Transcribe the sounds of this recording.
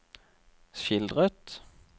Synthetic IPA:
ʃɪld̪ʁət̪

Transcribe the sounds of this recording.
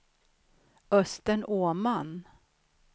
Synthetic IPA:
œst̪əɳoːman

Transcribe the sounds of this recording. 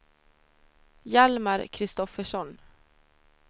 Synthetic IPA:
jælmɑɾkʰɾɪst̪ɔfəʂɔn

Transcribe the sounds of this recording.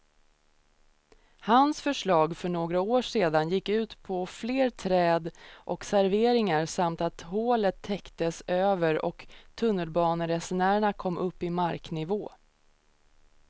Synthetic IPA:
hansfœʂɭɑːɡfœɳoːɡɾaoːʂeːd̪anjɪkːʉ̟ːt̪pʰɔfleːɾt̪ʰɾɛːd̪ʔɔksæɾveːɾɪŋaɾsamt̪at̪hoːlət̪ʰːɛkt̪əsøːvəɾɔ̰kt̪ʰɵnːəlbɑːnəɾɛsɛnæːɾəɳakʰɔmːʔɵpːɪmaɾknɪvoː

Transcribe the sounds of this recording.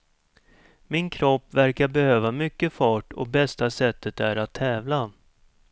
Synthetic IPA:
mɪnkʰɾɔpːvæɾkaɾbɛhøːvamʏkːəfɑːʈɔ̰bɛst̪asɛt̪ʰːət̪æɾat̪ʰːɛːvla

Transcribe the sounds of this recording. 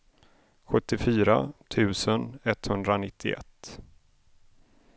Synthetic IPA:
ɧɵt̪ːɪfyːɾa̰t̪ʰʉ̟ːsənɛt̪hɵnd̪ɾanɪt̪ʰːɪ̰ɛ̰t̪ː

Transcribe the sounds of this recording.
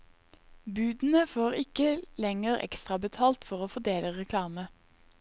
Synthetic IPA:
bʉːd̪n̩əfoːʁɪkəlɛŋəʁɛ̰kst̪ʁɑbət̪ʰɑːlt̪fɔʁoːfɔd̪eːləʁɛkʰlɑːmə

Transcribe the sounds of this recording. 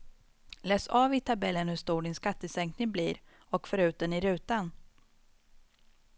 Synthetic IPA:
lɛːsavɪt̪ʰabɛlːənhɵʂt̪uːɖɪnskat̪ːəsɛŋknɪŋbliːɾ | ɔkfœɾʉ̟ːt̪̚d̪ɛnɪɾʉ̟ːt̪an

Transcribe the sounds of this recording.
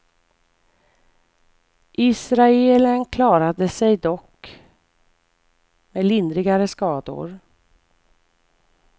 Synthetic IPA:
ʔɪsɾaeːlənkʰlɑːɾad̪əsɛjd̪ɔk | melɪnd̪ɾɪɡaɾəskɑːd̪ʊ̰ɾ

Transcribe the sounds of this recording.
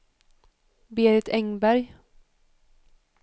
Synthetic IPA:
beːɾɪt̪ʰɛŋbæɾj

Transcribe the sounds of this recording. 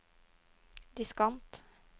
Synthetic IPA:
d̪ɪskɑnt̪

